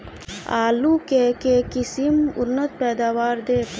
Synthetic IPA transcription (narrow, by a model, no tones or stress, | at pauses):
a̰ːlukekekisimunːət̪̚peːd̪aːwaːɾd̪eː